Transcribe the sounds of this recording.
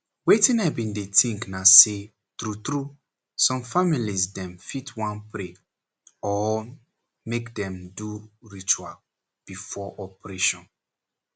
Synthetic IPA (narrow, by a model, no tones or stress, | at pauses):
wetĩnabĩndetĩŋknase | tɹutɾu | sɔ̃mfamilizdɛ̃mfitʰwãnpɹe | ɔ | mekdɛ̃mduɹit͡ʃual | b̥ifɔʔɔpɹeʃɔ̃n